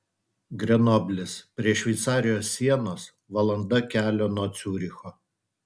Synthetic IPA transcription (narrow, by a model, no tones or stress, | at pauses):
ɡɾʲɛnoːbʲlʲɪspʲɾʲiɛʃʲʋʲɛɪt̪sɑːɾʲɪjoːsːʲiɛnoːs | ʋɐlˠɐnd̪ɐkʲæːlʲoːnuɔt̪sʲuːɾʲɪxoː